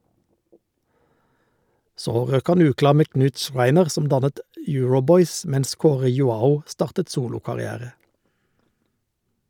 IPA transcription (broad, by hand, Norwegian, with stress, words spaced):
ˈsoː ˈʁøːk ˈhɑn ˈʉːˌklɑːʁ ˈmeː ˈknʉːt ˈʃʁæɪnəʁ ˈsɔm ˈdɑnət ˈjʉːɹʊˌbɔʏs ˈmɛns ˈkoːʁə jʊˈɑːʊ ˈstɑːʁtət ˈsuːlʊkɑʁɪˌæːʁə